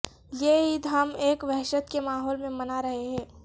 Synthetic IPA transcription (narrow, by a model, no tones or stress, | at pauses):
jeːid̪ʱameːkʋɛɦʃət̪kemaːɦɔːlmẽmɐnaɾɐɦeɦɛ̃ː